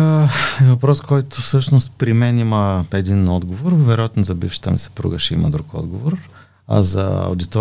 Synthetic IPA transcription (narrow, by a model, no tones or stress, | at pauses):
ɛvɐpɾɔskɔjt̪ofsɤʃnost̪̚pɾimɛniməɛd̪inɔd̪ɡovoɾvɛɾojat̪nozɐbifʃə̥t̪əmisɐ̥pɾṵɡəʃɛḭmɐ̰d̪ɾukɔ̰d̪ɡovoɾ | ɐ̰zɐ̰ɐ̰ʊd̪it̪ɔ